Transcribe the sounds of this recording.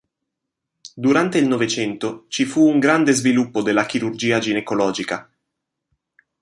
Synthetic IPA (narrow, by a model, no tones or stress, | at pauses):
d̪uɾant̪eilnovet͡ʃɛnt̪ot͡ʃifuːŋɡɾand̪ezvilupːod̪elːakiɾurd͡ʒiːad͡ʒinekolɔːd͡ʒika